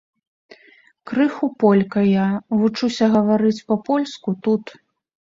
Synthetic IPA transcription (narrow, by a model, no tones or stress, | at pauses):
kɾɨxupɔlʲkɐjavut͡ʂusʲɐɣɐvaɾɨt͡sʲpɐpɔlʲskut̪ut̪